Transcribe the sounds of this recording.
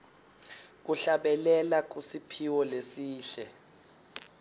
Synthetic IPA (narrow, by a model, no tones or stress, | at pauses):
k̬uɬaɓɛlɛlak̬usipʰiwɔlesiːɬɛ